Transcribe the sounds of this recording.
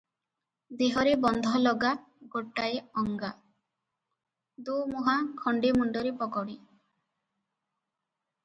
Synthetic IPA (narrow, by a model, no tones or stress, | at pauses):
d̪eɦɔɾebɔnd̪ʱɔlɔɡa | ɡoʈːaeɔŋɡa | d̪umuɦakʰɔɳɖimɔɳɖɔɾepɔkɔɽi